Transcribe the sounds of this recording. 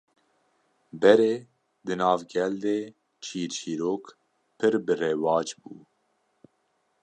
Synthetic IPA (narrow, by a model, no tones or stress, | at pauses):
bɛɾeː | d̪ɨnɑːvɡɛld̪eː | t͡ʃʰiːɾt͡ʃʰiːɾoːk | pʰɨɾbɨreːwɑːt͡ʃbṵː